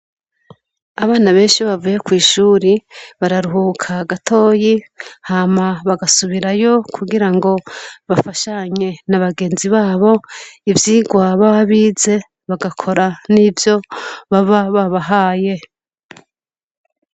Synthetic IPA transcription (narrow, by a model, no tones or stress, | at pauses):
aβaːnaβe̞ːnʃiβavuje̞kwiːʃuːɾiβaɾaɾuɦukʰaɡatʰo̞ːjihaːmaβaɡasuβiɾajo̞kʰuɡiɾaŋɡo̞βafaʃaɲe̞naβaɡe̞ːnziβaːβo̞ivjiːɡwaβaβaβiːze̞ | βaɡakʰo̞ɾanivjo̞βaβaβaβaɦaːje̞